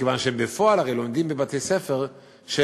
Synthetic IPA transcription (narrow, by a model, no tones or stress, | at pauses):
ɡəvaːnʃɛmbəfɔalaʁelondimbəbatʰesɛfɛʁ | ʃɛ